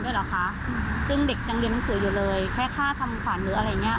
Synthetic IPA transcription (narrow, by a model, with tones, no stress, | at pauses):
du˥˩jlaː˨˩kʰa˦˥ʔsɯ˥˩ŋde˨˩k̚t͡ɕa˧ŋlnːa˦ŋsɯː˨˩˦juː˨˩lɤː˧jkʰɛː˥˩kʰaː˥˩t̪ʰa˧mkʰwaː˨˩˦nɾɯː˩˦ʔa˧ɾa˧jːa˨˩ŋːi˦˥ɐ˧